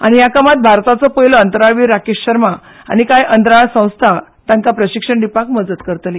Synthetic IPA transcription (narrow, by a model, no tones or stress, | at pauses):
a̰ɽ̃ijakəmat̪̚bʱaɾt̪at͡sɔpəjlɔənt̪əɾaɭʋiɾakeɕɕəɾma | a̰ñikajʔənt̪ɾaɭsə̃w̃st̪ʰat̪jãŋkapɾəɕikʂəɳɖipakməd͡zət̪kəɾt̪le